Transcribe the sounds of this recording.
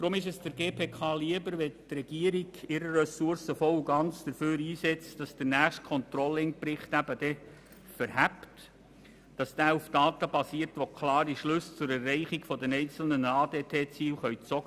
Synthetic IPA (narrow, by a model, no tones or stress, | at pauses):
d̥ɾʊmɪʃ̬ɛsd̥əɾɡeːpʰeːkʰɑːliəbəɾʋɛtrɛɡ̥iəɾiɡɪɾəɾɛsʊɾsəfɔluɡɑnt͡sd̥əɾføːɾiːsɛt͡sd̥ɑsd̥ənæːχstkʰɔnt̪ɾɔlːɪŋpɾɪχtæbəd̥ɛ | fəɾhæpt | d̥ɑsd̥æːufd̥ɑːt̪əb̥ɑsiəɾtʋokʰlɑːɾiʃlɵst͡sʊɾɛrɛɪχiɡ̥fɔdɛnɛɪnt͡sl̩nənɑːdeːtʰeːt͡siːlχœʏt͡sɔɡə